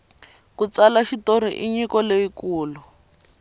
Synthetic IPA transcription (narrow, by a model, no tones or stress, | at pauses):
kut͡salaʃitoɾiʔiɲikɔleikuːlu